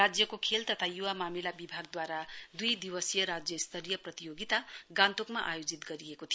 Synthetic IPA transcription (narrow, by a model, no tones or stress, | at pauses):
ad͡zjʌkokʰelt̪ʌt̪ʰajuwamamilabibʱaɡ̚d̪waɾad̪ujd̪iwʌsjʌɾad͡zjʌist̪ʰʌɾijʌprʌt̪ijoɡit̪aɡãnt̪okmaʔa̰jod͡zit̪ɡʌɾijekot̪ʰij